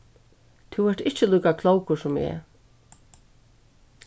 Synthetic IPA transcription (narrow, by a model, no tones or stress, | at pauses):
t̪ʰuwvɛɾ̥t̪ɪht͡ʃɪluːkakʰlˠowkʊsʊmɛ̰